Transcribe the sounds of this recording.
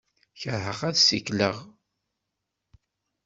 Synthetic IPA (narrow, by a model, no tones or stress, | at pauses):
çəɾhəʁæðsikləʁ